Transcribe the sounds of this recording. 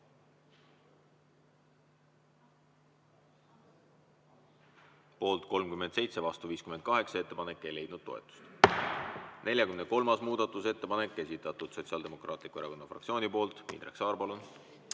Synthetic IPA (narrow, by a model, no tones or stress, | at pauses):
po̞ːlt̪ko̞lmkymend̪se̞jt̪sevɑst̪uviːskyme̞n̚kɑɦe̞ksɑe̞t̪ːe̞pɑne̞kːe̞jle̞jd̪nud̪̥̚t̪ːo̞̰e̞̰t̪ːˑu̥st̪ | nʔe̞lʲjɑkymneko̞lmɑsmuːd̪̥ɑt̪ːˑuse̞t̪ːe̞pɑne̞kːe̞sʲit̪ːˑɑt̪ːˑud̪̥so̞t̪siɑːld̪e̞mo̞krɑ̰ːt̪ˑlikueɾɑko̞nːɑfrɑ̰ktsio̞ːnipo̞ːlt̪mḭːd̪ɾeksɑːrpɑlun